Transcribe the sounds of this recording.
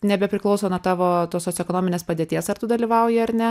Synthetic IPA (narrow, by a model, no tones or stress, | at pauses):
nʲɛbʲɛpʲɾʲɪklˠɒʊsoːnuɔt̪ɑːʋoːt̪oːsʲoːsʲɛkoːnoːmɪnʲeːspɐd̪ʲeːt̪ʲiɛsɐrt̪ʊd̪ɐlʲiːʋɐʊjɪɐɾnʲɛ